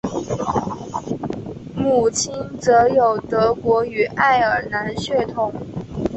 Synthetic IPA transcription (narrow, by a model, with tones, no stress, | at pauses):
mu˨˩t͡ɕʰi˥nt͡sɤ˧˥jo˨˩ʊt̪ɤ˧˥kwɔ˧˥y˨˩ʔa˥˩ɪə˞˨˩na˧˥nɕɥɛ˥˩t̪ʰʊ˨˩˦ŋ